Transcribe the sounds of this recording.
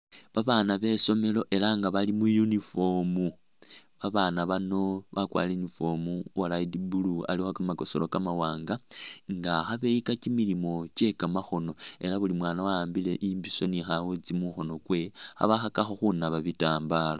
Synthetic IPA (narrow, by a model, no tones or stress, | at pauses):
βaβanaβe̞so̞me̞lo̞ʔe̞laŋɡaβalimujunifo̞mu | βaβaːnaβano̞βakwa̰ːlenifo̞muwalaidibulua̰lixokamako̞solo̞kamawaːŋɡaŋɡaxaβe̞ikacimilimo̞t͡ʃe̞kamaxo̞no̞e̞laβulimwaːnawaaːmbile̞ʔimbiso̞nixawut͡simuxo̞no̞kwe̞xa̰βaxakaxo̞xunaβaβitaːmbalo